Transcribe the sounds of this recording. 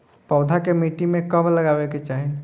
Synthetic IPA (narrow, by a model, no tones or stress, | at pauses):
pɔːd̪ʱakemiːʈimẽkəmləɡaːweket͡ʃaːɦe